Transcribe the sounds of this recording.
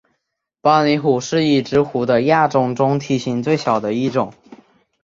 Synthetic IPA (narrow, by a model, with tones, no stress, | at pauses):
pɑ˥ni˧˥xu˨˩ʂɻ̩˥˧i˥˩ʈ͡ʂɻ̩˧˥xu˧˥d̪ə˧ja˥˧ʈ͡ʂʊ˥˩ŋʈ͡ʂʊ˥ŋt̪ʰi˧˥ɕi˧˥ŋt͡swe˥˩ɪɕjɑ˨˩ʊd̪ə˦i˥˩ʈ͡ʂʊ˨˩˦ŋ